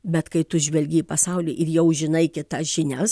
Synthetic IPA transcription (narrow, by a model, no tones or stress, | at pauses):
bʲɛt̪kɐɪt̪ʊʒʲʋʲɛlʲɡʲiipɐsɐʊlʲɪːʔɪɾjɛʊʒʲɪnɐɪkʲɪt̪ɐsʒ̥ʲɪnʲɛs